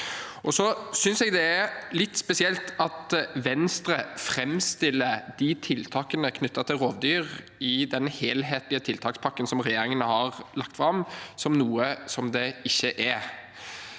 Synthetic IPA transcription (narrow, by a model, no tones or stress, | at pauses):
ʔɔsɔsʏnsɛɡd̪ɛæɾlɪt̪ːspɛsɪɛlt̪ʰɑt̪ʋɛnst̪ɾəfɾɛmst̪ɪlːəd̪̥ɪt̪ʰɪlt̪ʰɑːkənəkʰnʏt̪ːɑt̪ʰɪlɾoːʋd̪yːɾ | ɪd̪ɛnheːlɦeːt̪lɪət̪ʰɪlt̪ʰɑːkspʰɑkːənsɔmɾɛjeːɾɪŋənəhɑʁlɑkt̪fɾɑmsɔmnuːəsɔmd̪ɛɪçːəʔɛ